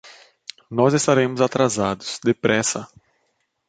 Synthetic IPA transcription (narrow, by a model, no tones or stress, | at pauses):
nɔzɪst̪aɾẽmʊzat̪ɾazad̪ʊsd̪ɪpɾɛsɐ